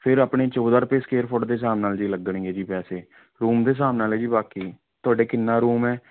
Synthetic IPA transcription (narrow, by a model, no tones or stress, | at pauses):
pʰɪɾapɳeːt͡ʃoːd̪aːɾəpeːskeːɾpʰoʈd̪eːsaːmnaːld͡ʒiːləɡəɳĩːɛːd͡ʒiːpɛːseː | ɾuːmd̪eːs̬aːmnaːlɛːd͡ʒiːbaːkiː | t̪ʊaːɖeːkɪnːaːɾuːmɛː